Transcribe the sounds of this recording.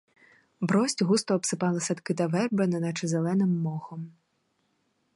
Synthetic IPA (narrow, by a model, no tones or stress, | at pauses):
bɾɔsʲtʲɦust̪ɔːpsɪpɑlˠɪsɐt̪kɪt̪ɐʋɛrbenɛnɐt͡ʃɪzelˠɛnɪmːɔxɔm